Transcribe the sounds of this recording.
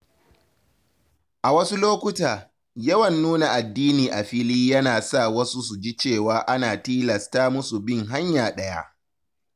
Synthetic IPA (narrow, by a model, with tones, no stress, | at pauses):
ʔa˨wɐ˦su˦loː˦kʷʊ˦taː˨ | jɐ˦wɐ˨nːuː˦na˨ʔa˨dːiː˦niː˨ʔa˨ɸɪ˦liː˦jɐ˦naː˨sa˦˨wɐ˦su˦s̬u˨d͡ʒi˦t͡ʃeː˦˨waː˨˦ʔa˦naː˨tiː˦lɐ˨staː˦mʊ˦su˨bɪ˦˨ŋɦa˦ɲjaː˨ɗɐ˦ja̰˦ʔ